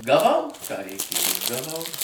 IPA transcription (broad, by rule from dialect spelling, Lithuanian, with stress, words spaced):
ɡɐˈʋɐʊ kɑː rʲɛɪˈkʲeːjʊ ɡɐˈʋɐʊ